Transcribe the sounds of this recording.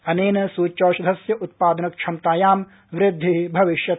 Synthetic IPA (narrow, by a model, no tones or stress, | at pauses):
ɐneːnɐsuːt͡ʃoːsɐd̪ʱɐsjɐʔut̪̚paːd̪ɐnɐkʃʰɐmt̪aːjaːm | ʋɾɪd̪ʱːibʱɐʋiʃjɐ